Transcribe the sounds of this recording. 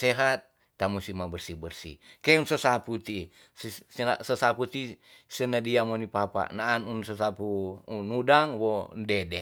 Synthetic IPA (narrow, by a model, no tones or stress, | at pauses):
seɦat̪̚ː | amusimabərsibərsḭkeunsəsaput̪i | sasəsaput̪i | sənadiamonipapa̰naːnunsəsapunudaŋwondɛdɛ